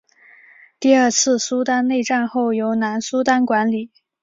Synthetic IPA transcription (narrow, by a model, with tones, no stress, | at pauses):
t̪i˥˧ə˞˥˧t͡sʰɹ̩˥˩su˥t̪a˥nne˥˧ɪʈ͡ʂa˥˧nxo˥˩ʊjo˧˥ʊna˧˥nsu˥t̪a˥nkwa˧˥nli˨˩˦